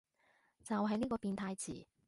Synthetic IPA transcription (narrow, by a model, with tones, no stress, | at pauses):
t͡sɐ˨wɦɐ˨˥jniː˥kɔː˧piː˨˧nt̪ʰaː˧jt͡sʰiː˨˩